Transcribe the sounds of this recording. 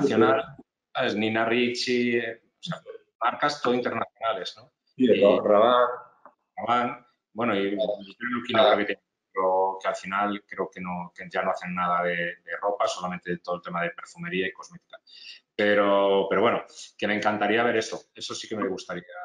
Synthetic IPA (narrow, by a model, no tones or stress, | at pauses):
θjonal | aeznĩnarit͡ʃi | osea | maɾkast̪oint̪e̞ɾnaθjo̞nale̞zno | araβan | aβan | bwe̞noienukinaoket̪eɲ | okealfinalkɾeoke̞nokeʝano̞aθe̞nːað̞aðe̞d̪e̞ro̞paso̞lament̪et̪oð̞lt̪e̞maðepe̞ɾfume̞ɾiaiko̞zme̞t̪i̥kape̞ɾopeɾowe̞noke̞me̞ːŋkant̪aɾiaβ̞e̞ɾe̞st̪oe̞sosike̞meɣust̪aɾia